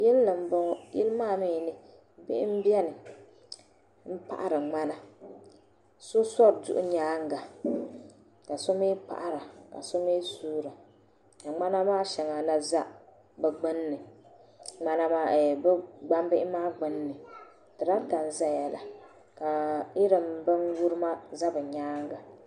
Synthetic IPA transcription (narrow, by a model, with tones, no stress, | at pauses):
jɛ˦lnɨ˨m̩˦bɔ˦ŋ˦jɛ̰˦lmaː˦˨mi˦˨nɨ˦ | bɪ̰˦ʔɪ˦m̩˦bɛ˦nɨ˨ | m̩˦pa̰˨ʔa̰˨ɾɨ˨ŋ͡ma˦na˦ | so˦sɔ˦ɾdʊ̰˦ʔʊ̰˦ɲaː˦ŋ̩˦ɡa˨ | ka˨so˦miː˦k͡pa̰˨ʔa˨ɾa˨ka̰˨so˦miː˦suː˦ɾa˨ | ka˨ŋ͡ma˦na˦maː˦ʃɛ˨ŋa˨la˦za˦ | bɛ˨ɡ͡bɨ˦nː˦ɨ˨ | ŋ͡ma˦na˦ma˦˨bɨ˦ɡ͡ba˦m˦bɨ˦ʔɪ˦maː˦ɡ͡bɨ˦nː˦ɨ˨ | tɨ˨ɾa˦ta˨n̩˨za˦jɛ˨la̰˨ | ka˨i˦ɾɨ˨m˦bɨ˦ŋwu˦ɾɨ˦ma˦za˦bɨ˨ɲaː˦ŋ˦ɡa˨